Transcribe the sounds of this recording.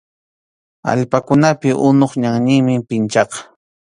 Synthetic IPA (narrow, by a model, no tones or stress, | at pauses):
a̰ʎpakʊnapɪʔʊnoχɲaŋɲɪŋmɪpɪnt͡ʃɑqɑ̥